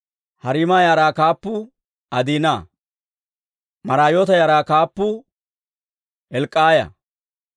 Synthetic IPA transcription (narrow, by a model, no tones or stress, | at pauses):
hɐɾɪmaːjaːɾaːkaːpːʊ | ʔɐd̪iːnaː | mɐɾaːjoːt̪ɐjaːɾaːkaːpːʊ | ɛlkʼːaːjɐ̰